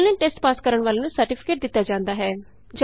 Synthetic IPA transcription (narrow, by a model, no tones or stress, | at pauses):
nẽːʈeːsʈpaːskəɾəɳ̃ʋaːleːnũːsəɾʈɪpʰɪ̥keːʈ̚d̪ɪt̪ːaːd͡ʒãːnd̪aːɦɛː | d͡ʒ